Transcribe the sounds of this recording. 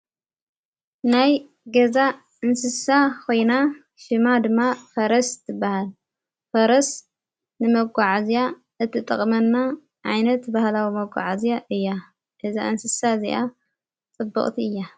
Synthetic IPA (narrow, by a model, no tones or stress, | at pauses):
naj | ɡɐza | ɨnsɨsakʰo̞jna | ʃɨmad̪ɨmːafɐɾɐst̪ʰɨbːahal | fɐɾɐs | nɨmɐɡʷaʕazija | ʔɨt̪ʰːɨt̪ʼɐ̰χʼmɐnːa | ʕajnɐt̪bahlawimɐɡʷa̰ʕazijaʔɨjːa | ɡ̥ɐza̰ʔɨnsɨsazḭʔa | t͡sʼɨbːɐ̰χʼt̪ʰiɨjːa